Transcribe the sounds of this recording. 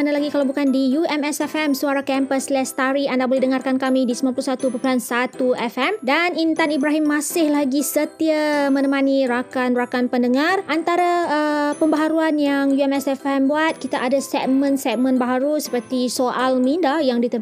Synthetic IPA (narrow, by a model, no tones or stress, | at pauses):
analaɡikalawbukandijuɛmɛsɛfɛmsuaɾakɛmpəslɛst̪aɾiandabolɛhdəŋarkankamidisəmanmpuluhsat̪upəpulansat̪uɛfɛmdanint̪anibɾaɦɪmːasɪhlaɡisət̪iamənəmaniɾakanrakanpəndəŋarʔant̪aɾaəpəmbaɦaɾuanjaŋjuɛmɛsɛfɛmbuat̪̚kit̪aʔadasɛt̚mə̃nsɛt̚mə̃nbaɦaɾusə̥pərt̪isoʔalmindajaŋdit̪ə